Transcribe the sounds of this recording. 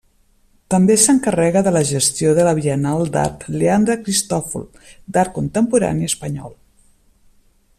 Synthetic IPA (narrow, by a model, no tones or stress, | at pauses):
t̪əmbesəŋkərɛɣəðələʒəst̪joðələβiənalˠd̪a̰ɾt̪leand̪ɾəkɾist̪ɔfṵl | d̪aɾt̪̚kunt̪əmpuɾa̰niəspəɲɔ̰lˠ